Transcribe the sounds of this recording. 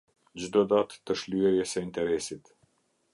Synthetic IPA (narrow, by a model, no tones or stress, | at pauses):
d͡ʑd̪ɔd̪at̪ːəʃlyɛɾjɛsɛint̪ɛɾɛsit̪